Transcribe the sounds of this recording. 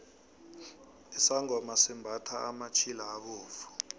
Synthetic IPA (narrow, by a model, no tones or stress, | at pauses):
isaŋɔmasimbʱatʰaːmat͡ʃʰilaːɓuːfu̥